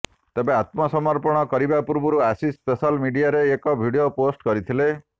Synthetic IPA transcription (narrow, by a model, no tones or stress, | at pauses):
t̪ebeat̪mɔsɔmɔɾpɔɽ̃ɔkɔɾibapuɾbuɾuasispesalmiɖiaɾeːkɔbʱiɽioposʈkɔɾit̪ʰile